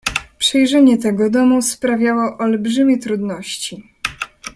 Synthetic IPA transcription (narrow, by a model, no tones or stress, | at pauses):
pʂɛjʐɛɲɛt̪ɛɡɔd̪ɔmuspɾavʲjawɔʔɔlbʐɘmʲjɛt̪ɾud̪nɔɕt͡ɕi